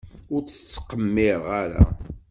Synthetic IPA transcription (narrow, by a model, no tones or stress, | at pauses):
ʊɾt͡sə̥t͡sːqːəmːɪɾʁaɾa̰